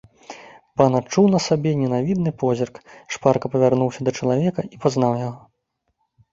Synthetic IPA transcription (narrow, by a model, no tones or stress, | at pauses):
panat͡ʂuwnɐsabʲɛnʲɛnavʲid̪nɨpɔzʲirkʂparkɐpɐvʲarnuwsʲɐd̪ɐt͡ʂɐlˠavʲɛkɐipaznawjaɣɔ